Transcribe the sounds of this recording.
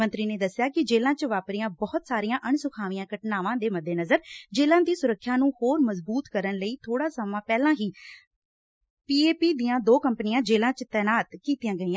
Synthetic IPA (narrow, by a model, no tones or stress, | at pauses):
ə̃nt̪ɾiːneːd̪əsːjaːkɪd͡ʒeːlãːt͡ʃʋaːpɾijãːbɔːʊt̪saːɾijãːʔəɳsʊkʰaːʋijãːkəʈnaːʋãːd̪eːməd̪ːeːnəzəɾd͡ʒeːlãːd̪iːsʊɾəkʰːjãːnũːhoːɾməzbuːt̪kəɾənləiːt̪ʰoːɽaːsəmãːpɛːlãːɦiː | piːeːpiːd̪iːãːd̪oːkəmpnɪjãːd͡ʒeːlãːt͡ʃt̪ɛːnaːt̪kiːt̪ijãːɡəiːãː